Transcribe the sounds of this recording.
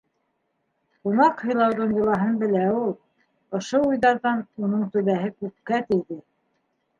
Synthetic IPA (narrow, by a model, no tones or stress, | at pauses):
qunɑqhɤ̆jlˠɑwðɤɴjɤ̆lˠɑɦɤnbɘ̆læulˠ | ŏʃoujðɑɾðɑnunɤɴt̪ɵ̆βæɦɘkʉp̚kæt̪ɘ̆jðɘ